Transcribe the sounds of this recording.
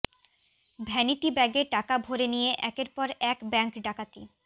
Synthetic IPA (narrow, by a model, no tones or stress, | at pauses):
bʱɛniʈibɛɡeʈakabʱoɾenijeʔɛkeɾpɔɾɛkbɛŋkɖakat̪ḭ